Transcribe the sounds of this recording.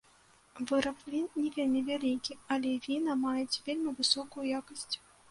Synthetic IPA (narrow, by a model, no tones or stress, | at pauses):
vɨɾɐpvʲinnʲɛvʲelʲmʲivʲalʲikʲialʲɛvʲinɐmajɛt͡sʲvʲelʲmʲivɨsɔkʊjujakɐsʲt͡sʲ